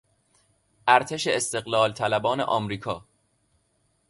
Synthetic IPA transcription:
ʔæɾt̪ʰe̞ʃeest̪e̞ɣlɒːlt̪ʰælæbɒːnḛʔɒːmɾiːkʰɒː

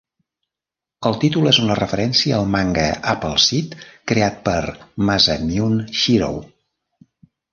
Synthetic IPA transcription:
əlˠt̪it̪ulezunərəfəɾɛnsiəːlˠmaŋɡəʔapəlˠsit̪kɾeat̪̚pəɾmazəmiunʃiɾo̰w

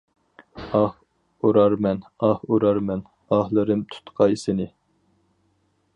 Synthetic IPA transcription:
ɑh | uɾɑɾmɛnɑhuɾɑɾmɛn | ɑhlˠɨɾɨmt̪ʰu̥t̪qʰɑjsɪnɪ

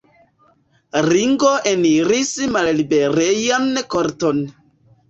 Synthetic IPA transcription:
ɾiŋɡoʔeniɾismallibeɾejankoɾton

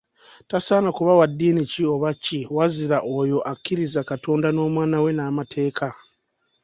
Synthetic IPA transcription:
tasaːnakuβawadːiːnicio̞βacːiwaziɾaʔo̞jo̞ʔakːiɾizakato̞ːndano̞ːmwaːnawe̞naːmatʰe̞ːkʰa

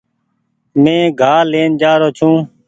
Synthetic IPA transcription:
mẽːɡʱaːleːnd͡ʒaːɾoːt͡ʃʰũː

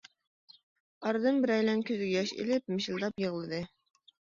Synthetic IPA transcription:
ɑɾd̪ɨnbɪɾɛjlɛnkʲʰøzɡʲɛjɑʃḛlɪp̚mɪʃɪlˠd̪ɑpjɤʁlˠɨd̪ɨ

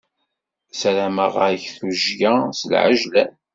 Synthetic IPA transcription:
sæɾæməʁəçθuʒjasəlʕə̰ʒlæ

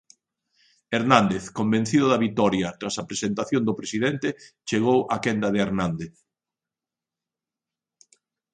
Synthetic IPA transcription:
eɾnãnd̪eθkombẽn̟θiðʊðɐβit̪ɔɾjɐt̪ɾasɐpɾesent̪aθjond̪ʊpɾesiðent̪et͡ʃeɣowʔɐakɛnd̪ɐðɪeɾnãnd̪eθ

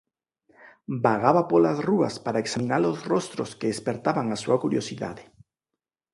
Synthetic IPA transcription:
baɣ̞aβapolazrua̰spaɾaeksamĩnalozrost̪ɾoskeespeɾt̪aβaŋasuakuɾjosiða̰ðe

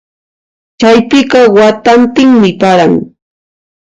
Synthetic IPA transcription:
t͡ʃajpɪɢɑwat̪ant̪ɪŋmɪpaɾaŋ

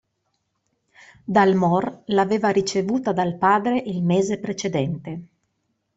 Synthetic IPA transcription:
d̪almɔrlaveːvaɾit͡ʃevuːt̪ad̪alpaːd̪ɾeʔilmeːzepɾet͡ʃed̪ɛnt̪e

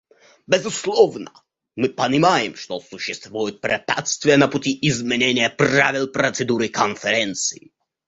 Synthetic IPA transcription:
bʲɛzʊslˠɔvnɐ | mɨpɐnʲɪmajɪmʂt̪ɔsuɕːɪst̪vujʊt̪̚pɾʲɛpʲa̰t̪st̪vʲɪjənɐputʲiizmʲenʲenʲɪjɐpravʲilˠpɾɐt̪sɛd̪uɾɨkʰɔnfɛɾʲɛnt̪sɨji

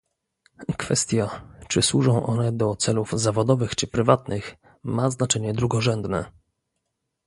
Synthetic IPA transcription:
kfɛst̪ʲjat͡ʂɘswuʐɔ̃w̃ʔɔ̰nɛd̪ɔt̪sɛluvzavɔd̪ɔvɘxt͡ʂɘpɾɘvat̪nɘx | maznat͡ʂɛɲɛd̪ɾuɡɔʐɛnd̪nɛ̰

